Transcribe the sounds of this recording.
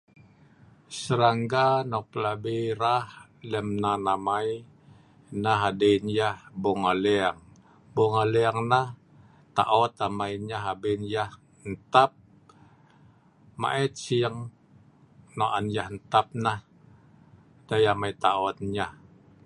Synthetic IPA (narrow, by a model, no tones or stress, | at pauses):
səɾaŋɡanɔpəlabiɾahlɛmnanamaj | naɦadenjahboŋaleaŋ | boŋaleaŋnah | t̪a̰ʔɔt̪amajɲaɦabenjah | nt̪ap̚ | ma̰ʔɛt̪̚sijəŋ | noʔanjahnt̪ap̚nah | d̥ajamajt̪aɔt̪̚ɲah